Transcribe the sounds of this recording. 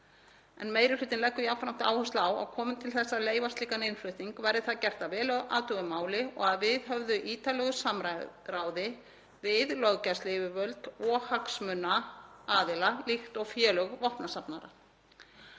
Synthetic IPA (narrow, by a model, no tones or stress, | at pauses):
ɛ̰nmeːjɾɪrʏt̪ɪnlɛhkːʏjawfɾam̥t̪a̰ːwhœst̪laawa̰wkʰɔːmɪnt̪ʰɪlθɛsːaleːjvast̪ɪkanejnflʏht̪iŋkvajɾðɪθaðcɛr̥t̪avɛːlœʔa̰ːt̪ʏɣʏmaːwlɪɔ̰ɣaðvɪðɦœvðʏʔiːt̪alɛɣʏsamɾaraːwðɪ | vɪðlœɣcaslɪvʏvœlt̪ɔːhaksmʏnːaaːðɪlalixt̪ɔɣfjɛːlœɣvɔhpnasapnaɾa̰